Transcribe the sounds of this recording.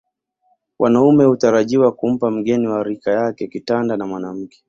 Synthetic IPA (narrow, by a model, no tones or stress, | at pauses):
wʔanaumɛhutaɾaʄiwakum̩pam̩ɠɛniwaɾikajakɛkitandanamwanam̩kɛ̥